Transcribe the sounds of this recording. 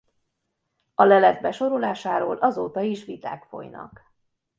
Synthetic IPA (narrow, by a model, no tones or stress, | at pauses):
ɒlɛlɛd̪̚bɛʃo̞ɾo̞laːʃaːɾo̰ːlʔɒzoːt̪ɒiʃʋit̪a̰ːkfo̞̰jnɒ̰k